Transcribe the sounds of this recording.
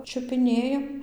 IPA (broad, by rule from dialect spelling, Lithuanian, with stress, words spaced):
t͡ʃʲʊpʲɪˈnʲeːjɛm